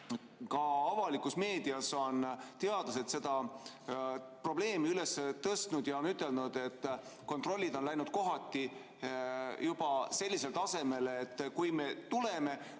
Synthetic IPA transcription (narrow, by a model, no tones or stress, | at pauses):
kɑɑvɑlikusme̞ːd̪̥iɑso̞nt̪eɑd̪̥lɑse̞t̪se̞d̪̥ɑ | pro̞ble̞ːmiyleset̪ɤst̪nud̪̥jɑonyt̪ːˑe̞lnud̪̥e̞t̪ːko̞nt̪ro̞lʲːid̪o̞nlæjnud̪̥̚ko̞ɦɑt̪ːi | jub̥ɑse̞lʲːise̞lt̪ɑse̞me̞lːt̪ːkujme̞t̪ule̞me̞